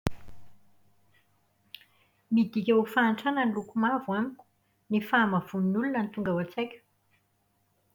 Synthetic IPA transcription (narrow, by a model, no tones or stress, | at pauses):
mid̪ikʲaufaːɳʈ͡ʂananlukumavwamikʲu̥ | nifamav̥uninulunənt̪uŋɡawat͡sajkʲə̥